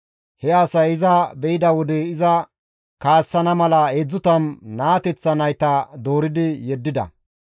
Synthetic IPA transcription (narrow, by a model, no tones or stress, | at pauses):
hɛasɐjɪzɐbɛɪd̪ɐwɔd̪ɛɪzɐ | kaːsːɐnɐmɐlɐed͡zːʊt̪ɐnnaːt̪ɛt͡sːɐnɐjt̪ɐd̪o̞ːɾɪd̪ɪjɛd̪ːɪd̪ɐ̰